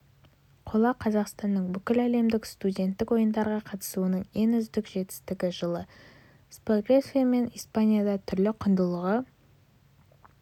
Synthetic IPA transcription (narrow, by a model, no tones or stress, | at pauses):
qʰo̞lˠɑqʰɑzɑqst̪ɑnːəɴbʏkʲɪlæle̞md̪ɪkst̪udʲe̞nt̪ːɪkwo̞jənd̪ɑɾʁɑqʰɑt̪ə̥suənəɴe̞nʏzd̪ɪkʒe̞t̪ɪ̥st̪ɪɡʲɪʒəlˠə | sprveskʲiame̞nijspanʲijad̪ɑt̪ʰʏɾlɪqʰʊnd̪əlˠəʁə